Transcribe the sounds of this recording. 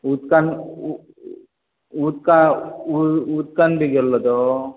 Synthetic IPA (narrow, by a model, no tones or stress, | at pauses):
uːt̪kan | uːt̪̚ka | uːt̪̚kanbiɡɛlːɐd̪o